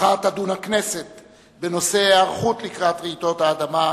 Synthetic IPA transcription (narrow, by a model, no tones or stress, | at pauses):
at̪adunakne̞se̞t̪ | beno̞se̞aʁχut̪likʁat̪ʁeit̪o̞thaːd̪ama